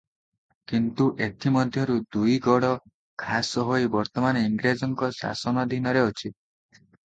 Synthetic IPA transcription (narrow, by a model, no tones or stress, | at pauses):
kint̪uʔet̪ʰimɔd̪ʱjɔɾud̪ujɡɔɽɔ | kʰasɔɦojbɔɾt̪ɔmaneiŋɡɾed͡ʒɔŋkɔsa̰sɔnɔd̪inɔɾeot͡ʃʰi